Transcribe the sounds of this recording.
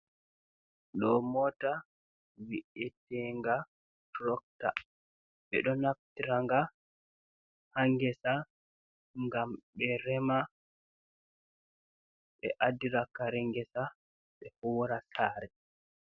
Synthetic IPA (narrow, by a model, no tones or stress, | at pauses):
ɗɔmɔta | wiʔɛtɛŋɡa | tɾɔk̚ta̰ | ɓɛ̰ɗɔnaf̚tiɾaŋɡa | haŋɡɛsa | ŋɡamɓɛɾɛma | ɓɛ̰ʔadiɾakaɾɛŋɡɛsa | ɓɛhuːɾasaːɾɛ